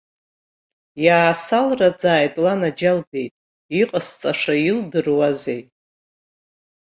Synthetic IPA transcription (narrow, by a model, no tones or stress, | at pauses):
jaːsalrad͡zaːjtʼlanad͡ʒalbe̞jtʼ | iqʼəst͡sʼaʂajildɨrwazej